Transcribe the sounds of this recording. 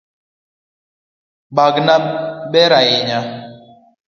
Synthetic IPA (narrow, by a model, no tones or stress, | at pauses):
baɡnaɓɛɾajeɲa